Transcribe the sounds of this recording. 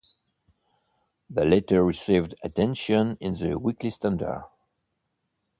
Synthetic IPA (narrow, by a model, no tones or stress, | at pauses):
ðəlɛtə˞ɹisivdɨtʰɛ̃nʃə̃nɪ̃nðəwiklistãndə̰˞